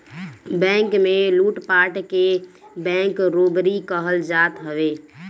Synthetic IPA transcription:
bɛ̃ŋkmeluʈpaʈke | bɛ̃ŋkɾobɾikəɦəld͡ʒat̪ɦəʋe

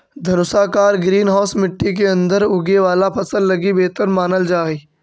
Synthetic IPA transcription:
d̪ʱɐnʊsaːkaːɾɡɾiːnɦɔːsmɪʈːik̬eɐ̃nd̪əɾʊɡeʋaːlapʰɐsəlːɐɡibeːt̪əɾmaːnəld͡ʒaːiː

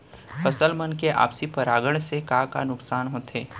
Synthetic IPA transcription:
fʰəsəlmənkeʔa̰ːpsipɐɾaːɡəɽ̃sekakanʊksaːnɦõːt̪ʰeː

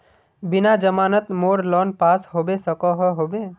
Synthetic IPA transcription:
binad͡ʒəmanət̪moɾlɔnpasɦobesəkɔɦəɦobe

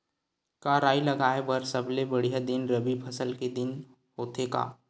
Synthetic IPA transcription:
kaːɾaːilɐɡaːebɐɾsɐblebɐɽ̤ijad̪ɪnɾɐbipʰɐsəlked̪ɪn | ɦoːt̪eːɡa̰ː

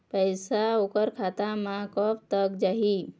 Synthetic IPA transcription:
pəjsaokəɾkʰat̪amãkɔpt̪əkd͡ʒaɦi

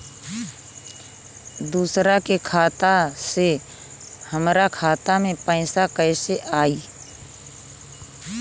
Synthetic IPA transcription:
d̪uːsɾakekʰaːt̪ase | həmɾakʰaːt̪amẽpə̃ɪsakəɪseʔaːiː

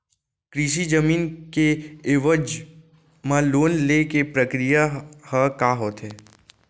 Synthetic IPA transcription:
kɾiːʃ̬id͡ʒəmiːnkeeʋəd͡ʒ | mãloːnlekepɾəkɾijahəkaːɦoːt̪ɦɛː

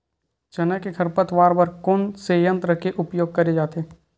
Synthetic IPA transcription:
t͡ʃɐnəkekʰɐɾpət̪ʋaːɾbɐɾkʊnsejə̃nt̪ɾəkeʔʊpjoːɡ̚kɐɾed͡ʒaːt̪eː

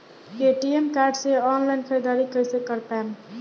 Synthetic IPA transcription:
keʈiemkaːɾɖseɔːnlaɪnkʰəɾid̪aːɾikəjsekəɾpɛm

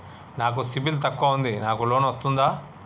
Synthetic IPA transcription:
naːk̬usibilt̪ɐkːaund̪inaːkulo̞ːnʋɐst̪und̪aː

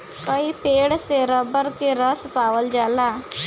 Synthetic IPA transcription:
kəipeːɽseɾəbəɾkeɾəspaːwəld͡ʒaːlaː

